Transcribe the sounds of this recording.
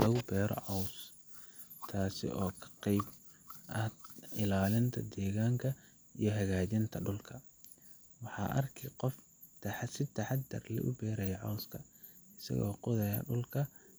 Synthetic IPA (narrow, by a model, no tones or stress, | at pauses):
lɐɣʊbɛːɾɔ̰ʕɑws | t̪ʰaːsɪ̰ʔɔːkʰɐ̥qɛjb | ʔɐɪlaːlɪnt̪ʰɐd̪ɛːɣaːŋkʰɐ | ḭjɞɦɐɣaːt͡ʃɪnt̪ʰɐɖʊlkʰɐ | wɑħɑ̰ːʔɐrkʰɛqɔf | t̪ʰɐħsɪt̪ʰɐħɑd̪ɐ̰rlɛ̰ʔʊ̰bɛːɾɛjɐʕɑwskʰɐ | ɪsɐ̰ɣɔ̰ːqʊðɐjɐ̰ɖʊlkʰɐ